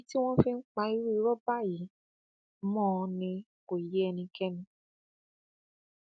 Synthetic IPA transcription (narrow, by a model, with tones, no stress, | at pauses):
ti˦w̃ɔ̃˦fi˦˧n̩˦k͡pa˧i˧˦ɾu˦i˧ɾɔ˦ba˦˨ji˨˦ | mɔ̃ː˦˨˧nĩ˧ | ko˨je˨˦ɛ˧nĩ˧kɛ˦nũ˧